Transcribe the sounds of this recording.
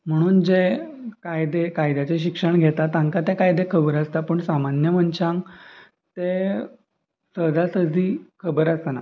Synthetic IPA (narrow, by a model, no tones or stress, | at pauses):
m̤əɽ̃uːnd͡ʑekajd̪ekajd̪jat͡ɕeɕ̬ikʂəɳɡʱet̪at̪ãŋkat̪ekajd̪ekʰəbəɾəst̪apəːɳsamanjəm̤əɳt͡ɕãŋ | t̪e | səd̪asəd͡z̪ʱiːkʰəbəɾast̪ana